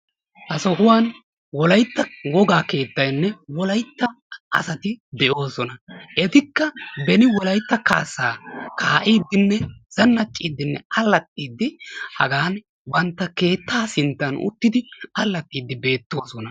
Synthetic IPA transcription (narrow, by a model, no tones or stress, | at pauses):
hɐsɔhʊwaːn | wɔlɐjt̪ːɐwɔɡaːke̞ːt̪ːɐjnːɛwɔlɐjt̪ːɐ | ʔɐ̰sɐt̪ɪd̪ɛʔo̞ːsɔnɐʔɛt̪ɪkːɐbɛnɪwɔlɐjt̪ːɐkaːsaːkʰaːʔiːd̪ːɪnːɛz̥ɐnːɐt͡ʃʼːiːd̪ːɪnːɛɐlːɐt̪ʼːiːd̪ːɪhɐ̰ɡaːn | bɐnt̪ːɐke̞ːt̪ːaːsɪnt̪ːɐnʊ̰t̪ːɪd̪ɪɐlːɐt̪ʼːiːd̪ːɪbe̞ːt̪ːo̞ːsɔnɐ